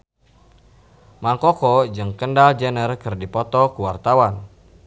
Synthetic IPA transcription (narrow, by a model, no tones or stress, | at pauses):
maŋkɔkɔd͡ʒɨŋkəndald͡ʒənərkɨrdipɔt̪ɔkuwart̪awan